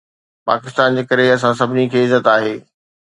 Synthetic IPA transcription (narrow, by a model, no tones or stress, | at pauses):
pa̰ːkɪst̪aːnd͡ʑeːkɐɾeɐs̬ãsɐbʱɪnikʰeːɪzːət̪aːɦeː